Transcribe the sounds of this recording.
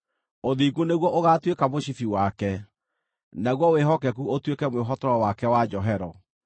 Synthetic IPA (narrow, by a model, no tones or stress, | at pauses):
oðiɡoneɣwɔʔoɣatwekamoɕifiwakɛ | naɣwɔweɦɔkɛkuotwekɛmweɦɔtɔɾɔwakɛwad͡ʒɔɦɛɾɔ